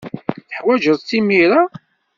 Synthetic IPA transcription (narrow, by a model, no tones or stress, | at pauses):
θəħwæʒəðˤt͡sːimiɾa